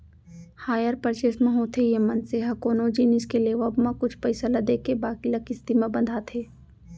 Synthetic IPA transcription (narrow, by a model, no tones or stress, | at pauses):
haːjəɾpəɾʃeːsmẽɦoːt̪ʰejemɐnseɦɐkoːnod͡ʒinɪskeleːʋəbmẽkʊt͡ʃʰpɐɪsalɐd̪eːkebaːkilɐkɪst̪imẽbɐ̃nd̪ʱat̪ʰeː